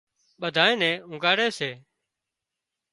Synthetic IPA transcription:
ɓəd̪ʱaːẽːnɛ̃ːʊ̃ŋɡaːɽeːseː

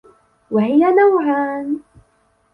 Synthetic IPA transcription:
wahɪjanawʕaːn

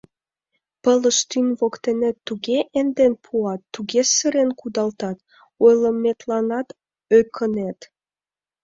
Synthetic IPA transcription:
pələʃt̪ynβokt̪enet̪ːuɣeʔend̪enpʰuɑt̪ːuɣesəɾenkud̪ɑlt̪ɑt̪ | ojləmːet̪lɑnɑt̪ | økʰənet̪

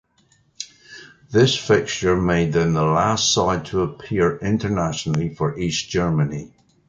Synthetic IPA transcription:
ðɪsfɪkʃə˞meɪd̪̚ðə̃nðəlˠastsaɪd̚tʰəːpʰiɹɪ̃ntə˞naʃənəl̩ˠifə˞ʔisd̥ʒ̥ɜ˞məni

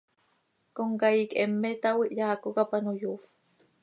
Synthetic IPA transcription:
koŋkaikemːet̪awiʔjaːkokapanojuf

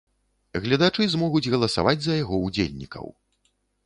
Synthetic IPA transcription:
ɣlʲɐd̪at͡ʂɨzmɔɣud͡zʲɣɐlˠɐsa̰vad͡zʲzɐjaɣɔud͡zʲḛlʲnʲikʰɐ̰w

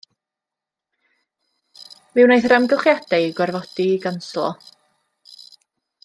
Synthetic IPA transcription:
mɪwnajθrɛmɡəχjad̥aɡwɛrvɔd̥iɡanslˠɔ̰

